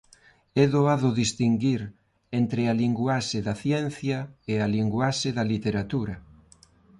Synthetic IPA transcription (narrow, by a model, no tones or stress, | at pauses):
ɛðoaðʊðist̪iŋɡiɾ | ent̪ɾɪaliŋɡwaʃɪðɐθjɛn̟θjɐealiŋɡwaʃɪðɐlit̪eɾat̪uɾɐ